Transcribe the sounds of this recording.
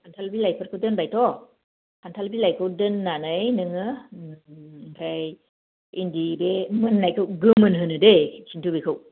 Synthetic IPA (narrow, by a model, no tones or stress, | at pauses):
hantʰalbilajpʰɯɾkʰɯwdɯnbajtʰɔ | hʰantʰalbilajkʰɯwdɯnːanɯjnɯŋɯ | ɾaj | indibemɯnːajkʰɯwɡɯmɯnɦɯnɯdekʰintʰubekʰɯw